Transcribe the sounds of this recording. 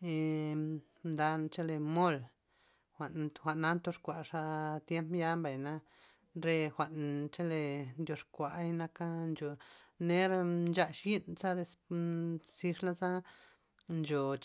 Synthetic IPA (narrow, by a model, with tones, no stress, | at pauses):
e˨ | md̪a˧n˧t͡ʃe˦le˧mo˦˨l | xʷa˨ʔnxʷa˨ʔnːa˦nt̪o˧ʂkʷa˨ʂa˧t̪je˦mpja˦mba˨jna˧ | ɾe˧xʷa˨ʔnt͡ʃe˦le˧nd̪ʲjo˧ʂkʷa˨˦jna˧ka˦nd͡ʒo˨ne˦ɾnd͡ʒa˧ʃi˦nt͡sa˦d̪e˧s | si˧ʂla˦t͡sa˦ | nd͡ʒo˨